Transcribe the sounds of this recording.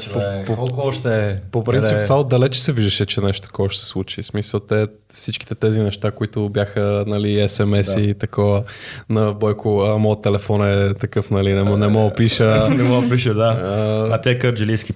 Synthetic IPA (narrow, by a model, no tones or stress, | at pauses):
pokɔlˠkoɔʃt̪ɛpopɾint̪sipt̪vaod̪ɐlɛt͡ʃɛ̥sɛviʒd̪əʃɛt͡ʃɛnɛʃt̪o̥t̪ɐ̥kɔvəʃt̪ɛ̥sɛ̥slˠut͡ʃismisəlˠt̪ɛ | fsit͡ʃk̟i̥t̪ɛt̪ɛzinɛʃt̪akoit̪ʊbʲjaxənɐliɛsɛmɛsit̪ɐkɔvənɐbɔjkʊəmɔjət̪ːɛlɛfɔnɛt̪ɐkɤfnɐlinɛmɔnɛmɔɡəpiʃənɛmɔpiʃəd̪aɐt̪ɛkəɾd͡ʒɛliski